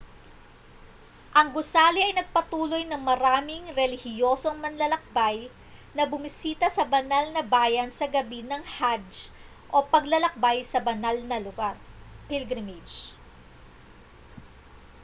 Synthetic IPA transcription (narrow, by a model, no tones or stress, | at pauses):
ʔɐŋɡʊsaːliʔɐjnɐɡ̚pɐt̪uːlo̞jnɐŋmɐɾaːmɪŋɾɛlɪhɪjo̞ːso̞ŋmɐnlɐlɐk̚baj | nɐbʊmɪsiːt̪ɐsɐbɐnalnɐbaːjɐnsɐɡɐbinɐŋhad͡ʒ | ʔo̞pɐɡlɐlɐk̚bajsɐbɐnalnɐlʊɡaɾpilɡɾɪmɪd͡ʒ